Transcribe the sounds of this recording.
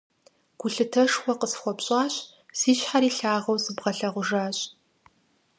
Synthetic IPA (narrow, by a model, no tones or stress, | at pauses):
ɡ̥ʷʊɬɨtʰɐʂxʷɔqəsxʷɔpɕʼaːɕ | z̥iːɕħaɾiːɬaːʁɐwzɨbʁɐɬɐʁʷʊʐaːɕʼ